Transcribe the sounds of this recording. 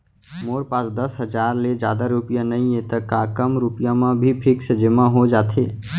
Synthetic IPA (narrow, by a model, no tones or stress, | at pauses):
moːɾpãsd̪əsɦəd͡ʒaːɾled͡ʒjaːd̪aɾupɪjãnəɦĩẽt̪əkaːkəmɾupɪjãmãbʱipʰɪksəd͡ʒəmãɦod͡ʒaːt̪ʰḛː